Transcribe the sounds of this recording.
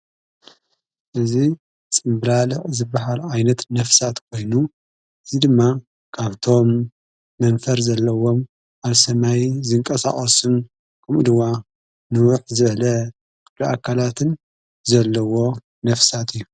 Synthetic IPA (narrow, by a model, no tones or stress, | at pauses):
ʔɨzi | t͡sʼɨmblalɨʔʼzɨbːaɦalajnɐt̪nɐfsat̪kʰo̞jnu | ʔɨzid̪ɨmːa | kʰaβt̪ʰo̞mː | ɐnfɐɾzɐlːɐwo̞m | ʔaβsɐmajzɨŋkʼɐsa̰χʼɐsum | kʰɐmʔɨd̪wa | nɨwʊħzɨβɐlɐ | kʰʼɨbliʔakʰːalat̪ʰɨn | zɐlːɐwo̞ | nɐfsat̪ɨjːu